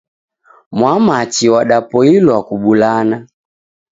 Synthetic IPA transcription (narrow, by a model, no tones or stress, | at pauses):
mwamat͡ʃiwaɗapɔilwakuɓulana